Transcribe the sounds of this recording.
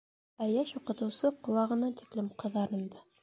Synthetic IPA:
æjæʃuqɤ̆t̪ɤ̆wsɤqŏlˠɑʁɤ̆nɑt̪i̥klɘmqɤ̆ðɑɾɤ̆nd̪ɤ

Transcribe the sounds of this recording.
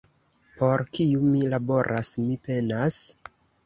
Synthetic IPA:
po̞ɾkiumilabo̞ɾʔasmipe̞nas

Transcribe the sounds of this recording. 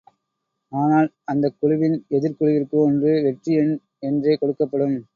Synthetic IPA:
aːnaːl | ɐnd̪ɐkːʊɻʊʋɪnɛðɪɾkʊɻʊʋɪrkɯɔndrɯʋɛʈriɛn | ɛndreːkɔɽɯkːɐpːɐɽɯm

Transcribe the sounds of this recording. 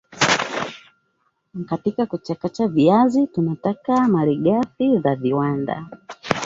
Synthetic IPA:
katikakut͡ʃakat͡ʃaviazitunatakamaɾiɠafizaviwanda̰

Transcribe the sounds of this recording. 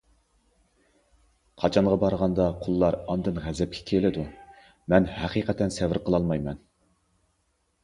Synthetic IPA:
qʰɑt͡ʃʰɑɴʁɑbɑɾʁɑnd̪ɑqʰʊlˠːɑɾɑnd̪ɨnʁæzɛp̚kʲʰɛ̥kʲʰelɪd̪u | mɛnhæqiqʰɛt̪ʰːɛnsɛvɪɾqʰəlˠɑlˠmɑjmɛn

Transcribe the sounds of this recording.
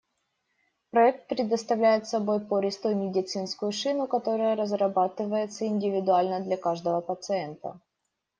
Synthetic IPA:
pɾɐɛk̚t̪̚pɾʲɪd̪əst̪ɐvlʲæjɪt̪sɐbo̞jpoɾʲɪst̪umʲɪdʲɪt̪sɨnskʊjʊʂɨnʊkɐt̪o̞ɾəjəɾəzɾɐbat̪ɨvəjɪt̪səɪnʲdʲɪvʲɪd̪ʊalʲnəd̪lʲɐkaʐd̪əvəpət̪sɨɛnt̪ə̰

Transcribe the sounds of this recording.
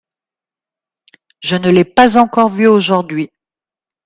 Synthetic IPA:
ʒənəlɛpazɑ̃kɔʁvyoʒuʁd̪ɥi

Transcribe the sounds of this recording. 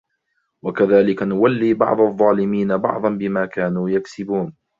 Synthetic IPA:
wakaðaːlɪkanʊwalːiːbɑ̰ʕd̪ˤɑðˤːɑːlɪmiːnabɑ̰ʕd̪ˤɑnbɪmaːkaːnuːjaksɪbuːn

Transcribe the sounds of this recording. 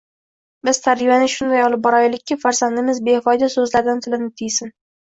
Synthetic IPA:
bɪz̥t̪ʰaɾɪbanɪʃʊnd̪ajɒlˠɪp̚bɒɾɒjɪlɪkʲʰːafaɾsand̪ɪmɪzbe̞hɪfɒjd̪asɵzlaɾd̪ɪnt̪ʰɪlɪnɪt̪ʰijsɪn

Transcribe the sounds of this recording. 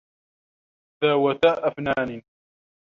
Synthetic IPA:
ðaːwat̪aːʔafnaːni

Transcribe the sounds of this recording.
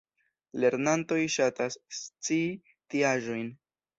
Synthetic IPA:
le̞ɾnanto̞jʃatast͡si | tiaʒo̞jn

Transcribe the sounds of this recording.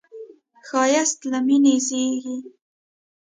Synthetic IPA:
xɑjast̪laminezeɡi

